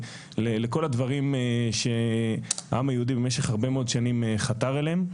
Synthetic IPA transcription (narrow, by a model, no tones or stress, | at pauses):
lele̞ko̞lad̪vaʁimeʃe̞ | aʔamajehud̪ibemeʃe̞χhaʁbe̞meod̪ʃanimeχat̪aʁelem